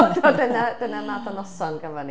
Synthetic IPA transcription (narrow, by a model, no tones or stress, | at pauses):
dɔdənad̥ənanadɔnɔsɔnɡəvɛni